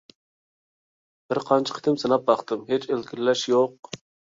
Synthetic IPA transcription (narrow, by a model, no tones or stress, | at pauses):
b̥ɪɾqʰɑnt͡ʃʰə̥qʰə̥t̪ʰɪmsɨnɑp̚bɑχt̪ɨmɦet͡ʃelkʲʰiɾɪlɛʃjoq